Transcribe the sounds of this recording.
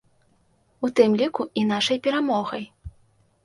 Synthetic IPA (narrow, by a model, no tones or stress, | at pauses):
ut̪ɨmlʲikuinaʂɐjpʲɛɾamɔɣɐj